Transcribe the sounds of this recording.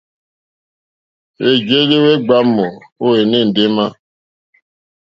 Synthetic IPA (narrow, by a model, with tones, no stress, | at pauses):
e˨d͡ʒe˦de˦we˦ɡ͡ba˦mɔ˨o˦e˨ne˦˨n̩˨de˦ma˦